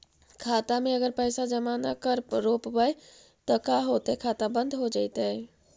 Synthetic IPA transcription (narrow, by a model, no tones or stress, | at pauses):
kʰaːt̪amẽəɡəɾpəjsad͡ʒəmanakəɾɾoːpbəj | t̪ɔkaɦot̪ɛkʰaːt̪abə̃nd̪ʱɦod͡ʒaːɪt̪ə